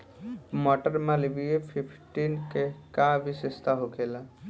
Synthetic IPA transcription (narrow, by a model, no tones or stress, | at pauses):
mɔʈəɾmalibiepʰipʰʈinkekabisest̪ʰaɦokela